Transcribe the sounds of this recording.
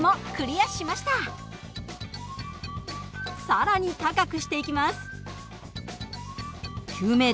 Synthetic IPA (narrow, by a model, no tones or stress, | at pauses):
mo̞kɯ̟ɾʲijḁɕimaɕi̥t̪a | saɾaɲ̟it̪akakɯ̟ɕi̥t̪e̞ikʲimasɨ̥ | kʲɨːme̞ː